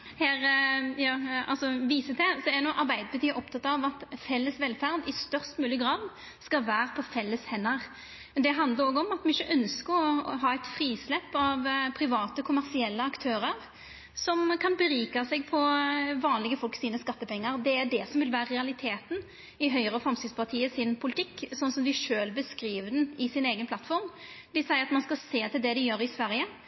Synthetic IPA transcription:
hæːɾjɑːɑ̰lsɔʋiːsət̪ʰɛsɔæɾnɔʔɑɾbæɪd̪əbət̪ʰyːʔɔpt̪ʰɑt̪ɑʋɑt̪fɛlːəsʋɛlfæʁd̪ɪst̪œʁst̪mʉːlɪəɡɾɑːd̪ | skɑʋæːɾəpʰɔfɛlːəshɛnːəʁ | d̪ɛɦɑnd̪ləɾoːɡəɔmɑt̪mɛɪçːəʔœnskəɾɔɦɑːæɪt̪fɾiːslɛpːɑʋpʰɾɪʋɑːt̪əkʰʊmæʁsɪɛlːəɑkt̪ʰøːɾəʁ | sɔmkʰɑnbəɾiːkɑsɛɡ̚pʰɔʋɑːnlɪɡəfɔlksiːnəskɑt̪ːəpɛŋːəɾd̪ɛæɖɛsɔmʋɪlʋæːɾəʁɛɑlɪt̪ʰeːt̪n̩ | ɪɦœʏʁəfʁɑmsɪŋspʰɑʁt̪ʰiːəsɪnpʰʊlɪt̪ʰɪkːsɔnːsɔmd̪ɪʂøːlbəskɾiːʋəd̪nɪsɪneːɡənpʰlɑt̪fɔɾm | d̪ɪsæɪəɾɑt̪mɑnskɑseːt̪ʰɪld̪ɛd̪ɪjøːɾɪsʋæɾjə

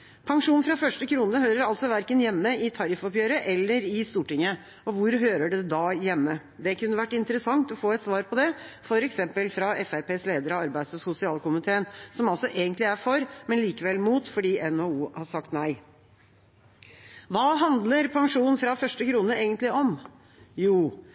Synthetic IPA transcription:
pʰɑŋʂuːnfɾɑfœʂʈəkʰɾuːnəɦøːɾəɾɑlsɔʋæɾkənjɛmːəɪt̪ʰɑɾɪfɔpjøːɾəʔɛlːəɾɪst̪uːʈɪŋːə | ɔʋʊɾɦøːɾəɖɛd̪ɑjɛmːə | d̪ɛkʰʉnːəʋæʈːɪnt̪əɾəsɑŋt̪ɔfoːɛt̪sʋɑːɾpʰɔd̪ɛfɔɾɛksɛmpəlfɾɑɛfæɾpeːsleːd̪əɾɑɑɾbæɪsɔsʊsɪɑːlkʊmɪt̪ʰeːənsɔmɑlsɔʔeːɡənt̪lɪæɾfɔɾmɛnliːkəʋɛlmuːt̪fɔɖiːʔɛnoːuːhɑʂɑkt̪næɪ | ʋɑːɦɑnd̪ləɾpʰɑŋʂuːn̩fɾɑfœʂʈəkʰɾuːnəeːɡənt̪lɪʔɔm | juː

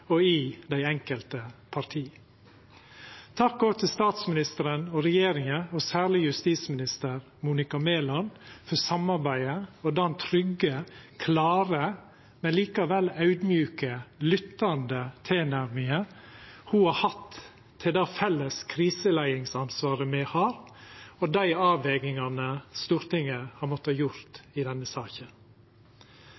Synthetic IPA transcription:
ɔɪd̪æɪɛŋkəlt̪əpʰɑɾt̪ʰiː | t̪ʰɑkːɔʋt̪ʰɪlst̪ɑːt̪smɪnɪst̪əɾənɔɾɛjeːɾɪŋəɔsæːɭɪjʉst̪iːsmɪnɪst̪əɾ | muːnɪkɑmeːlɑnfɔsɑmɑɾbæɪəɔd̪ɑnt̪ʰɾʏɡəkʰlɑːɾə | mɛnliːkɑʋɛlɑʉd̪mjʉːkəlʏt̪ːɑnd̪ət̪ʰeːnæɾmɪə | huːhɑhɑt̪ʰː | ɪld̪ɑːfɛlːəskʰɾiːsəlæɪɪŋsɑnsʋɑːɾəmɛhɑːɾɔd̪æɪɑːʋɛɡɪŋɑnəst̪uːɾt̪ɪŋːəhɑɾmɔt̪ːəhɑːjʊɾt̪ɪd̪ɛnːəsɑːçən

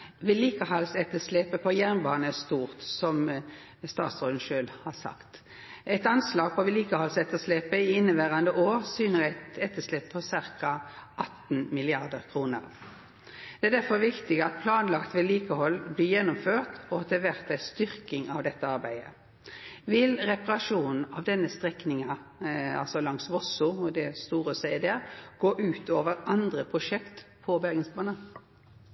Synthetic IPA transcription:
ʋɪliːkəɦɑlsɛt̪ːəslɛpəpʰɔjæʁnmbɑːnəst̪uːʁt̪sɔm | st̪ɑːt̪sʁoːd̪n̩ʃøːlhɑːsɑ̰kt̪ | ʔɛɪt̪ɑnslɑːɡ̚pʰɔʋɪliːkəhɑlsɛt̪ːəslɛpəɪɪnːəʋæːʁɑnd̪əʔoːʁsyːnəʁæɪt̪ɛt̪ːəslepʰɔsɪʁkɑʔɑt̪n̩mɪlɪɑʁd̪əɾkʰʁuːnə̰ʁ | d̪̥ɛæd̪æɾfɔʋɪkt̪ɪɡəɑt̪̚pʰlɑːnlɑkt̪ʋɪliːkəhɔlːbliːjɛnːʊmføːʁt̪ɔɑt̪̚d̪ɛʋæʁt̪æst̪ʏʁkɪŋɑʋd̪ɛt̪ːəɑɾbæɪə̰ | ʋɪlʁɛpɑʁɑʂuːnn̩ɑʋd̪ɛnːəst̪ʁɛknɪŋɑɑ̰lsɔlɑŋsʋɔsʊɔd̪ɛst̪uːʁəsæɪd̪ɛəɡ̥oːʔʉːt̪ʰoːʋəɾɑnd̪ʁəpʰʁʊʂɛkt̪pʰɔbæʁɡənsbɑːnən

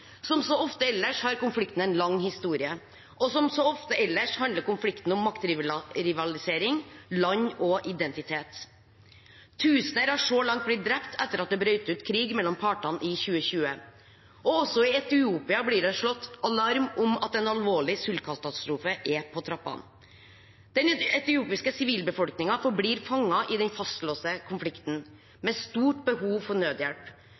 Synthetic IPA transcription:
sɔmsɔɔft̪əɛlːəʂhɑːɾkʊnflɪkt̪n̩ɛɪnlɑŋːhɪst̪uːɾɪə | ʔɔsɔmsɔɔft̪əɛlːəʂhɑnd̪ləɾkʊnflɪkt̪n̩ʊmːɑkt̪ɾɪʋɾɪʋɑlɪseːɾɪŋlɑɲːɔʔɪd̪ɛnt̪ɪt̪ʰeːt̪ | ʉːsnəɾhɑʂɔlɑŋt̪̚blɪt̪̚d̪ɾɛpt̪ʰɛt̪ːəɾɑt̪̚d̪ɛbɾœʏt̪əʉːt̪kʰɾiːɡmɛlːɔmpʰɑʈɑnʔɪçʉːəçʉːə | ɔɔsɔɪɛt̪ɪuːpɪɑbliːɖɛʂɭɔt̪ːɑlɑɾmʊmɑ̰t̪ɛnɑlʋoːɭɪsʉlkʰɑskʰɑt̪ɑ̥st̪ɾuːfəʔɛpʰɔt̪ʰɾɑpːɑ̰n | d̪̥ɛnɛt̪ɪuːpɪskəsɪʋiːlbəfɔlknɪŋɑfɔɾbliːɾfɑŋːɑʔɪd̪ɛnfɑst̪loːsəkʰʊnflɪkt̪n̩ | mɛst̪uːʈbəhuːʋfɔɳøːd̪jɛlp

